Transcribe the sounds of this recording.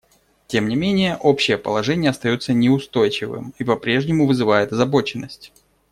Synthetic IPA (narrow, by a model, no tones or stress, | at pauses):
tʲe̞mnʲɪmʲenʲɪjəʔo̞pɕːɪjəpə̰lˠɐʐɛnʲɪjəɐst̪ɐjo̞t̪sənʲɪʊst̪o̞jt͡ɕɪvɨ̰mipɐpɾʲe̞ʐnʲɪmʊvɨzɨvajɪt̪ɐzɐbo̞t͡ɕɪnːəsʲtʲ